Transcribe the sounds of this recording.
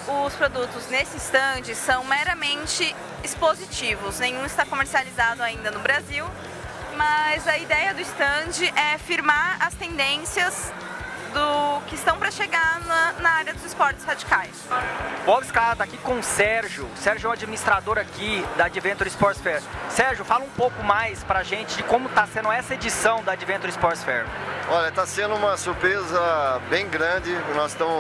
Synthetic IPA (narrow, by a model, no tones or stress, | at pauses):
ʊspɾod̪ut̪ʊznesɪist̪ɐ̃d͡ʒɪsɐ̃w̃meɾɐmẽnt͡ʃɪ | ispozit͡ʃivʊsnẽɲ̃ũɪst̪akomeɾsializad̪ʊaĩnd̪ɐnʊbɾaziw | mɐzɐid̪ɛjɐd̪ʊɪst̪ɐ̃d͡ʒɪʔɛfiɾmaɾɐst̪ẽnd̪ẽsiɐz | d̪ʊkɪːst̪ɐ̃w̃pɾɐʃeɡanɐnɐaɾjɐd̪ʊzɪspɔɾt͡ʃɪ̥z̥had͡ʒikajsbɔwbɪskat̪akikõsɛɾʒʊsɛɾʒʊɛw̃ad͡ʒiminist̪ɾad̪oɾakid̪ɐːd͡ʒivẽnt̪ʊɾispɔɾt͡ʃsfɛɾsɛɾʒʊfalɐũpowkʊmajspɾɐʒẽnt͡ʃɪd͡ʒɪkõmʊt̪asẽnʊ̃ɛsɐed͡ʒisɐ̃w̃d̪ɐad͡ʒivẽnt̪ʊɾispɔɾt͡ʃsfɛɾɔʎɐt̪asẽnd̪ʊũmɐsuɾpɾezɐbẽj̃ɡɾɐ̃d͡ʒɪnɔzsst̪ɐ̃mʊ